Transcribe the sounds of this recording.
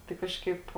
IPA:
tɐɪ ˈkɑːʃkɐɪp

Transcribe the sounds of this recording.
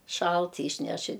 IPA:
ˈʃɐlˠt iːʃʲˈnʲɛʃ ɪ

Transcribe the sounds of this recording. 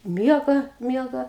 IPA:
ˈmʲiɛɡɐ ˈmʲiɛɡɐ

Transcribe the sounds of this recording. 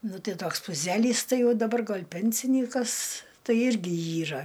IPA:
ˈnʊ ˈtɐɪ ˈtoːks pʊˈzʲæːlʲiːs ˈtɐɪ ˈjɛʊ dɐˈbɐr ˈɡɐlʲ ˈpʲɛnʲsʲɪnʲiːkɐs ˈtɐɪ ˈɪrʲɡʲɪ ˈiːrɐ

